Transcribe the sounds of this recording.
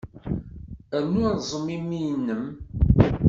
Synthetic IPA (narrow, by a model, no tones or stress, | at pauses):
ænːuzˤəmimːijnːəm